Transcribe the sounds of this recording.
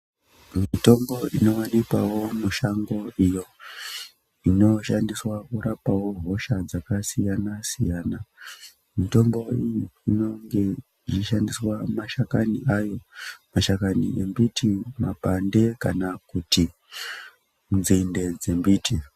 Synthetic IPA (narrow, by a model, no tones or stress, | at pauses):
miito̞mbo̞ino̞wanikwawo̞muʃaŋɡo̞ijo̞ | ino̞ʃandiswakuɾapawo̞ɦo̞ʃad͡zakasijanasḭjaːna | mito̞mbo̞ijiino̞ŋɡe̞ | ʐiʃandiswamaʃakaniʔajo̞maʃakanḭe̞mbitʰimapande̞kanakuti | unzinde̞d͡ze̞mbiːtʰi